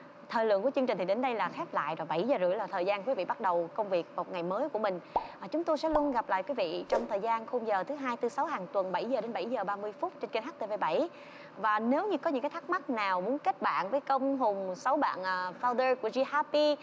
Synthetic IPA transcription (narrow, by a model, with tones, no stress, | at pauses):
t̪ʰəː˨˩jlɨ̰˧˨əŋku˧˩ət͡ɕɨ˧ŋt͡ɕi̟˨˩t̪ʰi˨˩ɗe˨˦nɗə˧jlaː˨˩xɛ˦˥p̚la̰ː˧˨jɗɔː˨˩ɓa˧˩jzəː˨˩zɨ˧˩˨jlaː˨˩t̪ʰəː˨˩jzaː˧nkwi˨˦vḭ˧˨ɓa˦˥t̚ɗə˨˩wkə˧wŋ͡mvi˨˩ək̚ːt̚ŋa˨˩jməː˨˦jku˧˩əmï˨˩ŋ̟aː˨˩t͡ɕʊ˨˦ŋ͡mt̪o˧jsɛ̰˧˥lu˧ənɣa˨˩p̚la̰ː˧˨kwi˨˦vḭ˧˨t͡ɕɔ˧wŋ͡mt̪ʰəː˨˩jzaː˧nxo˧mzəː˨˩t̪ʰɨ˨˦ɦaː˧jt̪ɨ˧˦sa˨˦wɦaː˨˩ŋt̪wə˨˩nɓa˧˩jzəː˨˩ɗe˨˦nɓa˧˩jzəː˨˩ɓaː˧mɨ˧əjfʊ˦˥t̚t͡ɕe˧nkə˧nhɦa˦˥k̪̚ə˧˩ve˧˩ɓa̰˧˩j | vaː˨˩ne˨˦wɲɨ˧kɔ˨˦ɲɨ̰˧˥ŋkːa˨˦t̪ʰa˦˥k̚ma˦˥t̚naː˨˩wmu˨˦ənke˦˥t̚ɓa̰ː˧˨nvəː˨˦jkə˧wŋ͡mɦʊ˨˩ŋ͡msa˨˦wɓa̰ː˧˨nʔəː˨˩fa˧wzə˧ku˧˩əzi˧haː˧pi˧